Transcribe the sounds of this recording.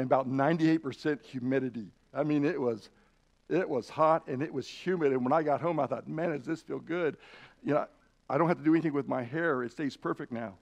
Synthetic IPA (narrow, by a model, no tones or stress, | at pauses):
ɨ̃nəbaʊtⁿnãɪ̃ntieɪt̚pʰə˞sɛ̃nʔhjʉmɪɾɨɾi | aɪmĩnɪʔ̚wʌz | ɪʔwʌz̥hɑɾɨ̃nɪʔ̚wʌz̥hjʉmɨɾɨ̃nwə̃naɪɡɑt̚ɦõʊ̃maɪθɔ̰t̚mæ̃nɨzðɪsfilˠɡʊd̥̚jɨnoʊ | aɪɾõʊ̃n̚hæatɨdɨɛniθɪ̃ŋwɨðmaɪɦɛɹɨtsteɪz̥pʰɜ˞fɨk̚tⁿnaʊ